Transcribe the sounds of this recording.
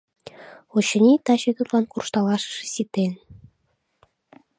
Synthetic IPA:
ot͡ɕə̆nʲit̪ɑɕøɣə̆klɑnkurʃt̪ɑlɑʃə̥̆ʃe̥sit̪en

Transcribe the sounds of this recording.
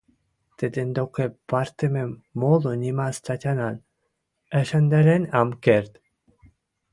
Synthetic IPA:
t̪ed̪end̪okepaɾt̪ememːolonʲimast̪at̪ʲanan | æʃand̪eɾenamkeɾt̪

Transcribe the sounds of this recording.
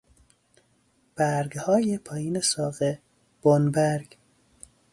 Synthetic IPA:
b̥æɾɡhɒːjepʰɒːjiːnesɒːɣe | b̥onbæɾɡ

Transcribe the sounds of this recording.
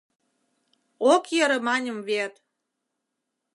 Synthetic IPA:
okjəɾɤ̆mɑnʲə̆mvet̪

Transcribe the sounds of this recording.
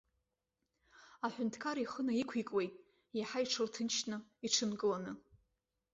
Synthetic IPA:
aħʷᶣʊntʰkʰaɾiχənaikʷʰikʼwe̞jtʼ | jaħaiʈ͡ʂʰɨrtʰɨnt͡ʃnɨiʈ͡ʂʰɨnkʼɨlanɨ

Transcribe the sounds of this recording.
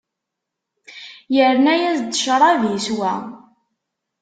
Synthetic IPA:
jəɾnæjæzd̪əʃɾˤɑvjiswæ

